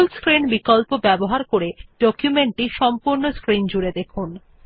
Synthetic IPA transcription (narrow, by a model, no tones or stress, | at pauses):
lskɾinbikɔlpobɛboɦaɾkoɾeɖ̥ɔkjumeɳʈiʃɔmpuɾnoskɾind͡ʑuɾed̪ekʰun